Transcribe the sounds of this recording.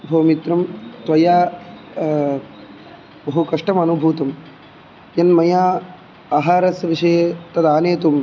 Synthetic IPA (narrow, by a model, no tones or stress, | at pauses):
bʱɐːmit̪ɾɐmt̪ʋɐjaː | bɐɦukɐʂʈɐmɐnubʱuːt̪ɐm | jɐnmɐjaː | aːɦaːɾɐsʋiʂɐjɐt̪ɐd̪aːneːt̪um